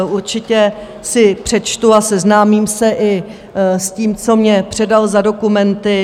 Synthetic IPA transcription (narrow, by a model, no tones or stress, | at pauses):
ʔuɾt͡ʃɪcɛ | sɪpr̝̥ɛt͡ʃt̪uasɛznaːmiːmsɛʔɪ | sciːmt͡so̞mɲɛpr̝̥ɛdalzado̞kumɛnt̪ɪ